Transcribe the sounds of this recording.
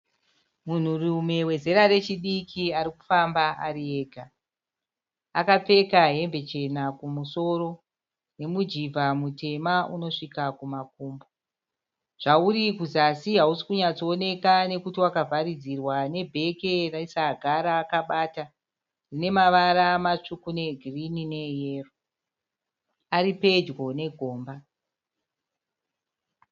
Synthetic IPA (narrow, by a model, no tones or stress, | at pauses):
mun̤urume̞we̞ze̞ɾare̞t͡ʃiɗikʰiaɾikufambaʔaɾieːɡʱa | akap͡fe̞kaɦe̞mbe̞t͡ʃe̞nakumuso̞ɾo̞ | ne̞mud͡ʒivʱamute̞mauno̞ʂikakumak̚uːmbo | ʐ̥auɾikuzasiɦausi̥kuɲat͡sone̞kane̞kutiwakavʱaɾid͡zirwane̞bʱe̞keraisaɡʱaɾaːkaɓaːta | rine̞maʋaɾamat͡ʂukune̞ɡʱirinine̞je̞ːro | aɾipe̞d͡ʒwo̞ne̞ɡʱo̞ːmba